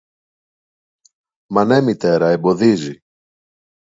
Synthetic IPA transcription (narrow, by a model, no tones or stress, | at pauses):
mɐne̞mit̪e̞ɾɐebo̞ðizi